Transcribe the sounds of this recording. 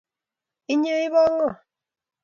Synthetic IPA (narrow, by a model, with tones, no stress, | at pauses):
i˦ɲə˦i˦βɔ˦ŋɔ˦˨